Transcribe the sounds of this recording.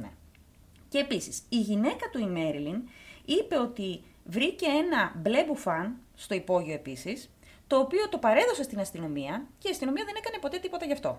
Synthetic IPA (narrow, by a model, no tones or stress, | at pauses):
e | ceːpisisiʝine̞kɐt̪uime̞ɾilinipe̞o̞t̪i | vɾice̞e̞nɐble̞bufɐn | st̪o̞ipo̞ʝio̞e̞pisis | t̪o̞ːpio̞t̪o̞pɐɾe̞ðo̞se̞st̪inɐst̪ino̞miɐceiɐst̪ino̞miɐðe̞ne̞kɐne̞po̞t̪e̞t̪ipo̞t̪ɐʝɐft̪o̞̰